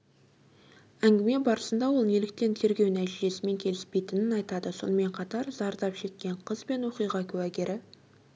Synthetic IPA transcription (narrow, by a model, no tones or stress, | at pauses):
æŋɡʲɪme̞bɑɾəsənd̪ɑwo̞lˠnelɪk̚t̪e̞nt̪ʰe̞ɾɡʲe̞wnæʒeʒe̞sɪme̞ŋkʲʰe̞lɪspe̞jt̪ɪnɪnɑjt̪ɑd̪əso̞̰nəme̞ɴqʰɑt̪ɑɾzɑɾd̪ɑpʃe̞kʲːe̞ɴqʰəzbe̞nwo̞qijʁɑkʲʰɵwæɡʲeɾɪ